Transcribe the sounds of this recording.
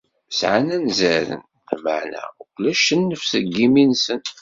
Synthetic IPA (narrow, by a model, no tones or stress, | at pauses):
sʕanænzæɾə̰n | θmə̰ʕnæ̰kʷlæʃənːəfsəɡːiminsən